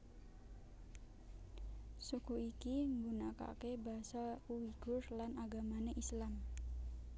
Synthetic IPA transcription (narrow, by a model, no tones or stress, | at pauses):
sukuikiŋɡunaka̰kebasauwiɡ̥ʊrlanaɡamaneʔislam